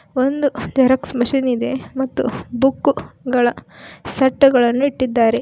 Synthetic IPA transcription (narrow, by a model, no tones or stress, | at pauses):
ond̪ud̪ɐɾɐksmɐʃinid̪e̞mɐt̪ːṵbukːɡɐɭɐsɐʈːɐɡɐɭɐnːuiʈːid̪ːaːɾe̞